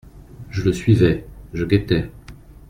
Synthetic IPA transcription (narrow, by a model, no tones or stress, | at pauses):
ʒələsɥivɛʒəɡʲɛt̪ɛ